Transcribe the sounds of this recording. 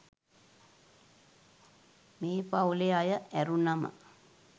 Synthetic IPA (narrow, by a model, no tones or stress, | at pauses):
meːpauleajəʔæɾunamə̰